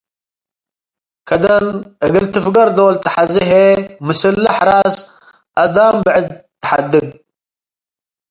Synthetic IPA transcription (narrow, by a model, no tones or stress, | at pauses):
kʰɐd̪ɐnʔɨɡɨlt̪ɨfɡɐɾd̪ɐwlt̪ʰɐ̥ħazɨɦemɨsɨlːaħɾas | ʔɐd̪ambɨʕɨd̪̚t̪ːɐ̥ħad̪ɨɡ